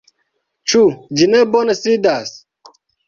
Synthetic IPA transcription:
t͡ʃud͡ʒinebonɐsid̪as

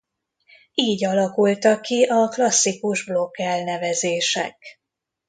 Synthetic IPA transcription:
iːɟɒlɒkult̪ɒkːiʔɒklɒsːikuʒblo̞kːɛlnɛvɛzeːʃɛ̰k

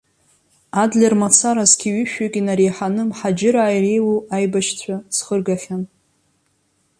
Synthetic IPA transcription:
adlʲermat͡sʰaɾazɡʲʰiɥiʃᶣakʲʼinaɾejħanɨmħad͡ʒɪɾaːjrejwoajbaʃt͡sʷʰasχərɡaχʲan

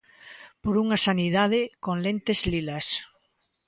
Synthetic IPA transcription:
poɾuŋasaniðað̞ɪkoŋlent̪ezlilas

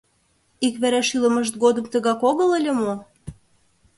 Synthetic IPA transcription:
ikβæɾæʃylə̆mə̆ʃt̪̚ɡod̪ə̆mt̪ə̆ɣɑkoɣə̆lə̆lʲĕmo

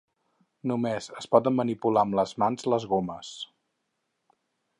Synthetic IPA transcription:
numezəspɔðəmmənipulaəmləzmanzləzɣoməs

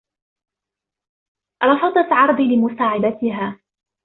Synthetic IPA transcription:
ɾˤɑfɑd̪ˤɑt̪ʕɑɾˤd̪ˤilɪmʊsaːʕɪd̪at̪ɪɦaː

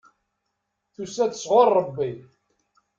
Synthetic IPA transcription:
θusæt̪ə̥sʁorˤːəbːi

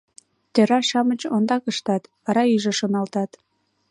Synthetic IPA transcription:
t̪øɾɑʃɑmət͡ɕond̪ɑkəʃt̪ɑt̪βɑɾɑyʒeʃonɑlt̪ɑt̪

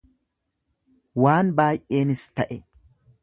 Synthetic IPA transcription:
waːnbaːjʔe̞ːnɪst̪ɐʔɛ

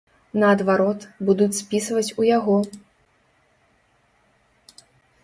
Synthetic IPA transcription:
nɐːd̪vaɾɔt̪bud̪ut͡sʲspʲisvɐt͡sʲujaɣɔ

